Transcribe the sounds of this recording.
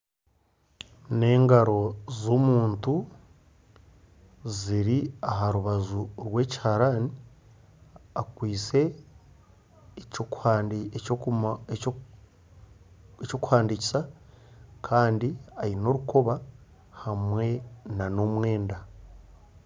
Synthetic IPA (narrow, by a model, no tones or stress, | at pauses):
ne̞ːŋɡaɾo̞zomuːntu | ziɾiaɦaɾuβazuɾwe̞ːci̥haɾani | akwiːse̞ | eco̞ku̥haːndici̥sa | kʰaːndiaino̞ɾuko̞βa | hamwe̞nanomwe̞ːnda